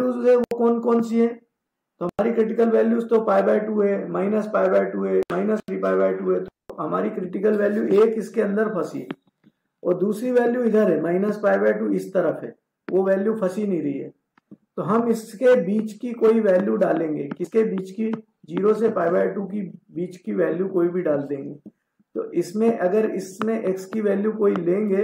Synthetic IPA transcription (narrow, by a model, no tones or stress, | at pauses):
uːɛʋokɔːnkɔːnsiɦɛː | t̪oɦɐmaːɾikɾɪʈ̬ɪkəlʋɛːljuːst̪opaːɪbaːɪʈuːɦɛːmaːɪnəspaːɪbaːɪʈuːɦɛːmaːɪnəst̪ʰɾiːpaːɪbaːɪʈuːɦɛt̪oɦɐmaːɾikɾɪʈɪkəlʋɛːljuʔeːkɪskeɐ̃nd̪əɾpʰɐsḭɛ | ɔ̰ːɾd̪uːsɾiʋɛːljuɪd̪ʱəɾɦɛːmaːɪnəspaːɪʋaːʈuːɪst̪ɐɾəfɦɛ̰ː | ʋoʋɛːljupʰɐsinɦĩɾɐɦiɦɛ̰ː | t̪oɦɐmɪskebiːt͡ʃkikoːiʋɛːljuɖaːlẽːŋɡeːkɪskebiːt͡ʃki | d͡ʒiːɾosepaːɪʋaːɪʈuk̬ibiːt͡ʃkiʋɛːljukoːibʱiɖaːld̪ẽːŋɡeː | t̪o̰ːʔɪsmẽʔɐɡəɾɪsmẽʔekskiʋɛːljukoːilẽːŋɡeː